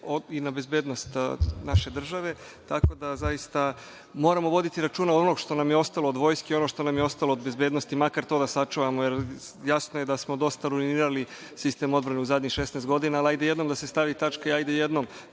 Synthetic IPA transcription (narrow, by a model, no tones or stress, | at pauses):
oinabe̞zbeːd̪nost̪naʃe̞d̪r̩ʒaʋe̞ | t̪ako̞d̪azajist̪a | mo̞ːɾamo̞ʋo̞d̪it̪iɾat͡ʃuːnaod̪onoɡʃt̪o̞namjeo̞st̪alˠo̞od̪ʋo̞ːjskeio̞noʃt̪onamjeo̞st̪alˠoːd̪be̞zbe̞d̪no̞st̪imakaɾt̪o̞ːd̪asat͡ʃuʋamojeɾjasnojed̪asmo̞d̪o̞st̪aɾuiniːɾali | sist̪e̞ːmo̞d̪bɾaneuzad̪ʲɲixʃe̞snast̪ɡo̞d̪inaalajd̪ejed̪no̞md̪ase̞st̪aʋit̪at͡ʃkaiajd̪ejed̪nom